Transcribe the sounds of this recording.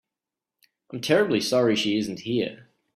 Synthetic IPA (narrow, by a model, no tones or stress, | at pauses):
ãɪ̃mtʰɛɹɨblisɑɹiʃiɪzn̩thiɹ